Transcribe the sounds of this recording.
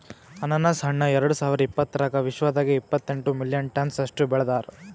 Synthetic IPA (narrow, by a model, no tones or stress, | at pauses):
ɐnɐnːɐsɦɐɳːɐɛɾɐɽusaːʋiɾɐipːɐt̪ːɐɾɐkɐʋiʃʋɐd̪aːɡeipːɐt̪ːeɳʈumiljɐnʈɐnsɐʂʈubɛɭɐd̪aːɾ